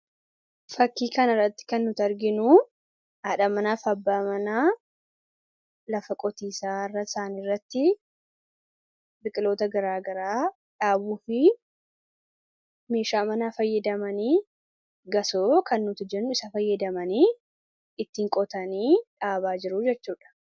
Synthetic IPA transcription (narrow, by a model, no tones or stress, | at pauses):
fɐkːiːkɐnɐrːɐt̪ːɪ̥kɐnːʊt̪ɐɾɡɪnu | ɐᶑɐmɐnaːfɐbːaːmɐnaː | lɐfɐkʼɔt̪iːsaːɪrːɐɪ̥saːnirːɐt̪ːɪ | bɪkʼɪlo̞ːt̪ɐɡɐɾaːɡɐɾaː | ᶑaːbuːfɪ | me̞ːʃaːmɐnaːfɐjːɐd̪ɐmɐniː | ɡɐsoːkʰɐnːʊt̪ɪd͡ʒɛnːʊɪsɐfɐjːɐd̪ɐmɐniː | ɪt̪ːiːŋkʼɔt̪ɐniːᶑaːβaːd͡ʒɪɾʊd͡ʒɛt͡ʃːuːᶑɐ̥